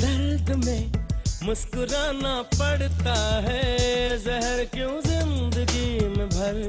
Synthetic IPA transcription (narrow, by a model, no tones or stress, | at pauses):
d̪ɐɾd̪mẽmʊskʊɾaːnapɐɽt̪aɦɛzɛɦəɾkõzɪnd̪əɡimẽbʱɐɾ